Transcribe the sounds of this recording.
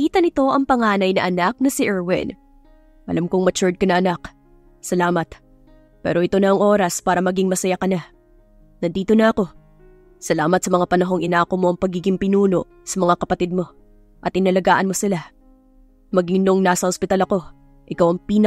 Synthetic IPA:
iːt̪ɐnɪt̪o̞ʔɐŋpɐŋaːnɐjnɐʔɐnak̚nɐsɪʔɛɹwɛ̰n | ʔɐ̰lʔamkoŋmɐt͡ʃʊd̪̚kɐnɐʔɐnak | sɐlaːmɐt̪̚ | pɛ̰ːɾo̞ʔɪt̪o̞nɐɐŋʔo̞ːɾɐspaːɾɐmɐɡɪŋmɐsɐjakɐna | nɐnd̪iːt̪o̞nɐʔɐko̞ | sɐlaːmɐt̪̚sɐmɐŋapɐnɐɦo̞ŋɪnaːkomo̞ʔɐŋpɐɡiːɡɪŋpɪnuːno̞ʔ | sɐmɐŋakɐpɐt̪ɪd̪̚mo̞ | ʔɐt̪̚ʔɪnɐlɐɡaːʔɐnmo̞sɪla | mɐɡɪnoŋnaːsɐhospɪt̪ɐlɐko̞ | ʔɪkawɐŋpiːn

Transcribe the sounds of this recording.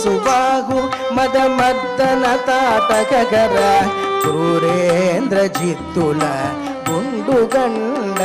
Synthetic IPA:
subaːɦu | mɐd̪ɐmɐd̪ːɐnɐt̪aːʈɐkɐɡɐɾɐɾuɾend̪ɾɐd͡ʒit̪ːulɐ | ɡuɳɖuɡɐɳɖɐ

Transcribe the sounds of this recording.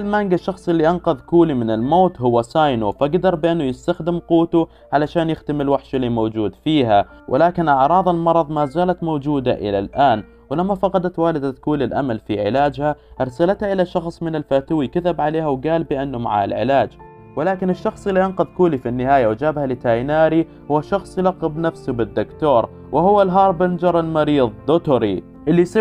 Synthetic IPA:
almaŋɡɪʃːɑxsˤɪlːiʔɑnqɑðˤkuːlimɪnɪlmoːt̪ɦʊwːasaːjnufaɡd̪ɑɾˤbɪʔɪnːʊjɪst̪axd̪ɪmquːt̪u | ʕalaʃaːnjɪxt̪amɪlwaħʃalimoːd͡ʒuːd̪fiːɦa | wʔɪ̰laːkɪnʔɑʕɾˤɑːðˤɪlmɑɾˤɑðˤmazaːlat̪moːd͡ʒuːd̪aʔɪ̰la̰lʔaːn | wɪlamːafɑqɑd̪at̪waːlɪd̪aðkuːlɪlʔa̰malfiʕɪ̰laːd͡ʒhaʔɑɾˤsalat̪haʔɪlaʃɑxsˤmɪnɪlfaːt̪uwikat̪abʕaleːhawɡaːlbɪʔɪnːʊma̰ʕa̰alʕɪ̰laːd͡ʒ | wɪlaːkɪnɪʃːɑxsˤɪlːiʔɑnqɑðˤkuːlifinːɪhaːjawd͡ʒaːbhalɪt̪aːjnaːɾi | hʊwːaʃɑxsˤjɪlɑqːɪbnafsʊbɪd̪ːʊkt̪oːɾˤ | wʔɪhʊwːalɦɑːɾˤbɪnd͡ʒɑɾˤɪlmɑɾiːðˤd̪ʊt̪ʊɾi | ʔɪlːisi

